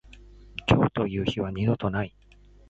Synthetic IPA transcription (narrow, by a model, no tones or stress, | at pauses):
t͡ɕʲo̞ːt̪o̞jɯ̟ːçiβaɲid̪o̞t̪o̞nai